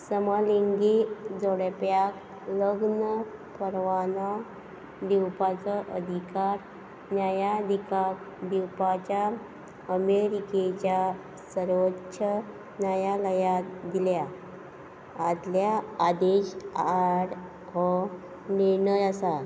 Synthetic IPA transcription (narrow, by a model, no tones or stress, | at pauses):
səmaliŋɡid͡zoɽepjak | ləɡnəpəɾʋanɔ | d̪iwpat͡sɔʔəd̪ʱikaɾ | njajad̪ʱika | d̪iwpat͡ɕa | əmeɾiket͡ɕja | səɾʋətːɕʰə | njajaləjad̪ilja | d̪ljaːd̪eɕaɽ | ɦɔ | niɾnəɾasa